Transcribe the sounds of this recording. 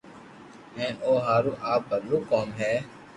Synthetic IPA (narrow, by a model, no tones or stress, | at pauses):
ɦɛ̃ːnoːɦaːɾuːʔaːp̚bəɾluːkoːmɦɛː